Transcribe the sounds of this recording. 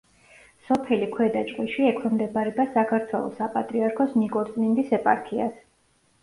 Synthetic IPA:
sɔpʰɛlikʰwɛd̪at͡ʃʼqʼwiʃiɛkʰwɛmd̪ɛbaɾɛbasakʰaɾt̪ʰwɛlˠɔ̰sapʼat̪ʼɾiaɾkʰɔsnikʼɔɾt̪sʼmind̪isɛpʼa̰ɾkʰia̰s

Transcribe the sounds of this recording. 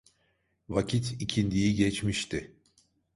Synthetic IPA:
vacʰit̪ʰicʰind̪ijiɟɛt͡ʃmiʃt̪ʰɪ

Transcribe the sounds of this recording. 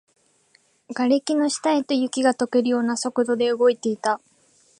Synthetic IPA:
ɡ̥aɾʲekʲino̞ɕi̥t̪aet̪o̞jɯ̟kʲiɡat̪o̞ke̞ɾɯ̟jo̞ːnaso̞kɯ̟d̪o̞d̪e̞ɯ̟ɡo̞it̪e̞it̪a

